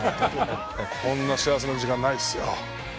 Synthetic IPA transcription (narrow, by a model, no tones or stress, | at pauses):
kõnːaɕias̬enod͡ʑikãnːaisɨjo̰